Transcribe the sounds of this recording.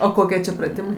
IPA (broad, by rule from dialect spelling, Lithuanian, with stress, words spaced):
oː ˈkoːkʲiɛ t͡ʃʲɛ prɐˈtʲɪmɐɪ